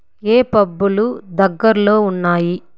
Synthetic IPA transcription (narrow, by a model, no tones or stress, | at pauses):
eːpɐbːulud̪ɐɡːɐɾlo̞ːunːaːji